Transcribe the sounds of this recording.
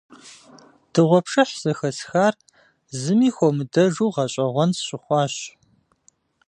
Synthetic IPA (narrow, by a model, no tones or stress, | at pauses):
d̥ʰɨʁʷɔpʂɐħz̥ɐxɐsxaːr | zɨmiːxʷɔmɨdɐʒuːʁɐɕʼɐʁʷɔnsɕʼɪχʷɑːɕ